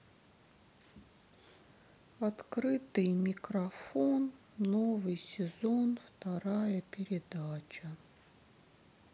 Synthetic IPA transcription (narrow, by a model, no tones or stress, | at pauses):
ɐt̪kɾɨt̪ɨjmʲɪkɾɐfonː | ovɨjsʲɪzonft̪ɐɾajəpʲɪɾʲɪd̪at͡ɕə